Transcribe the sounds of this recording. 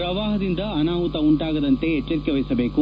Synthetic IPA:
pɾɐʋaːɦɐd̪ind̪ɐɐnaːʋut̪ɐuɳʈaːɡɐd̪ɐnt̪e̞et͡ʃːɐɾikːeʋɐjisɐbe̞ːku

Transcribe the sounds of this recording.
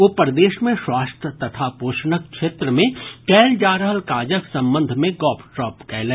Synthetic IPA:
oːpəɾd̪eːʃmẽswaːst̪ʰət̪ɐt̪ʰapoːʃnək̚kʃeːt̪ɾəmẽkɛːld͡ʒaːɾəɦəlkaːd͡ʒəksɐ̃mbə̃nd̪ʱmẽɡɔːpʰʈɾɔːpkɛːlɛ

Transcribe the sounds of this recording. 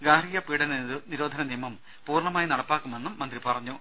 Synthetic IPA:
ɡaːɾijɐpiːɽɐniɨniɾoːd̪ʱɐnɐnijɐmɐm | puːrɳɐmaːjinɐɽɐpːaːkːume̞nːumːɐnd̪ripɐrɐɲːu

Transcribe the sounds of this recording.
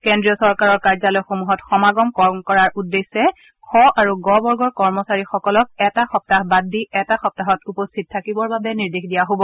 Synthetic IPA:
kɛndɹiɔsɔɹkaɹɔɹkaɹzalɔjxomuɦɔtxɔmaɡɔmkɔmkɔɹaɹʔudːesːɛ | kʰɔaɹuɡɔbɔɹɡɔɹkɔɹmɔsaɹixɔkɔlɔk̚ɛtaxɔp̚tahbadʱiɛtaxɔp̚taɦɔtupɔstʰit̚tʰakibɔɹbabɛniɹdexdijaɦobɔ

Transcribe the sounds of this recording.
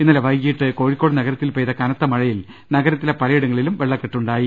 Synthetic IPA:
inːɐleʋɐjkːijiʈːɨko̞ːɻikːo̞ːɽɨnɐɣɐɾɐt̪ːilpejðɐkɐnɐt̪ːɐmɐɻɐjil | nɐɡɐɾɐt̪ːilepɐlɐjiɽɐŋːɐɭilumʋeɭːɐkːeʈːuɳɖaːji

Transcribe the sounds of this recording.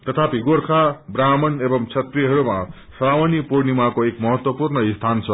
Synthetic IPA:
t̪ʌt̪ʰapiɡorkʰabramʌnebʌmt͡sʰʌt̪riɦʌɾuma | sʌɾawʌnipoɾnimakoekmʌɦʌt̪wʌpurnʌist̪ʰant͡sʰʌ

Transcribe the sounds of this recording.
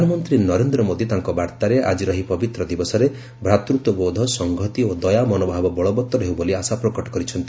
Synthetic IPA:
d̪anɔmɔnt̪ɾinɔɾend̪ɾɔmod̪it̪aŋkɔbaɾt̪aɾeʔa̰d͡ʒiɾɔɦipɔbit̪ɾɔd̪ibɔsɔɾe | bʱɾat̪ɾut̪ɔbod̪ʱɔsɔŋɡʱɔt̪iod̪ɔjamɔnobʱabɔbɔɭɔbɔt̪ːɔɾeɦuwboliasapɾɔkɔʈɔ̥kɔɾit͡ʃʰɔnt̪i

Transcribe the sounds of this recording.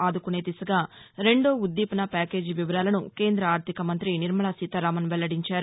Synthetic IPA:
aːd̪ukune̞ːt̪isɐɡaːɾe̞ɳɖoːud̪ːiːpɐnɐpaːke̞ːd͡ʒiʋiʋɐɾaːlɐnuke̞ːnd̪ɾɐaːɾt̪ʰikɐmɐnt̪ɾiniɾmɐɭaːsit̪ɐɾaːmɐnʋɛlːɐɽiɲt͡ʃaːɾu

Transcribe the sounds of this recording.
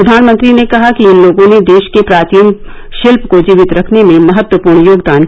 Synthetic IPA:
ɾɐd̪ʱaːnmə̃nt̪ɾinekɐɦakiɪnloːɡõned̪eːʃkepɾaːt͡ʃiːm | ʃɪlpkod͡ʒiːʋɪt̪ɾɐkʰnemẽmɐɦət̪wəpuːɾɳjoːɡd̪aːn

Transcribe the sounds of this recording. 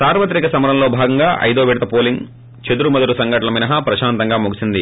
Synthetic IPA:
saːɾʋɐt̪ɾikɐsɐmɐɾɐmlo̞ːbʱaːɡɐŋɡaːʔɐ̰jd̪oːʋiɽɐt̪ɐpoːliŋ | t͡ʃed̪uɾumɐd̪ɐlusɐŋɡɐʈɐlɐminɐɦɐpɾɐʃaːnt̪ɐŋɡaːmuɡisind̪i

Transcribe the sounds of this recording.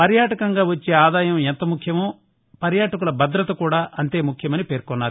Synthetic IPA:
pɐɾjaːʈɐkɐŋɡaːʋɐt͡ʃːe̞ːaːd̪aːjɐment̪ɐmukʰjɐmoː | pɐɾjaːʈɐk̬ulɐbɐd̪ɾɐt̪ɐkuːɽaːʔɐnt̪e̞ːmukʰjɐmɐnipe̞ːɾkɔnːaːɾ

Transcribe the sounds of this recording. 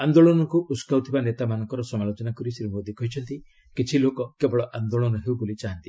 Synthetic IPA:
and̪oɭɔnɔŋkuʔuskawt̪ʰibanet̪amanɔŋkɔɾɔsɔmalod͡ʒɔnakɔɾisiɾimod̪ikɔɦit͡ʃʰɔnt̪i | kit͡ʃʰilokɔkebɔɭɔʔand̪oɭɔnɔɦewbolit͡ʃaɦant̪i

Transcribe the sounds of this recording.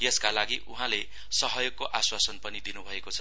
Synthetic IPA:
jeskalaɡiʔuɦãle | sʌɦʌjoɡ̚kːoʔaswasʌnpʌnid̪inubʱʌekot͡sʰʌ

